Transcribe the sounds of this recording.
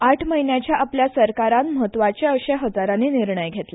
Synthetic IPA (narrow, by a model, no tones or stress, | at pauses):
aʈʰməɦinjat͡ɕjaʔapljasəɾkaɾanməɦət̪ːʋat͡ɕeəkɕeɦəd͡zaɾaniːniɾɳəjɡʱet̪le